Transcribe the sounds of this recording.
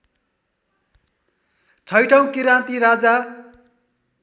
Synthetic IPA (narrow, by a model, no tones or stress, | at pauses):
t͡sʰʌjʈʌw̃kiɾãnt̪iɾad͡za